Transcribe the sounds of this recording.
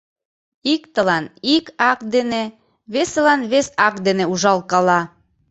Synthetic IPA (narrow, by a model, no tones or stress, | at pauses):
ikt̪əlɑnikɑk̚d̪ene | βeselɑnβesɑk̚d̪eneuʒɑlkɑlɑ